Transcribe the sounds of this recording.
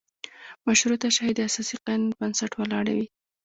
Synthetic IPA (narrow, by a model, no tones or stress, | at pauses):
maʃɾot̪aʃahid̪asɑsiqanbansaʈwəlɑɽa̰wi